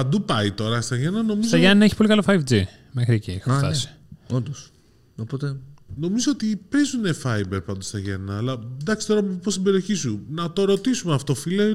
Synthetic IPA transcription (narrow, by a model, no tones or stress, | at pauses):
ɐd̪upɐit̪o̞ɾɐst̪ɐʝenɐno̞msizoɐʝɐniɐeçi̥po̞likɐlofɐjvd͡zi | mexɾieciexft̪ɐsi̥ | ond̪os | opot̪eno̞mizoot̪ipe̞zune̞fɐjbeɾpɐnd̪ost̪ɐʝenɐːlɐnd̪ɐksi̥t̪oɾompost̪ibe̞ɾio̞çisunɐt̪o̞ɾo̞t̪isumeɐft̪o̞file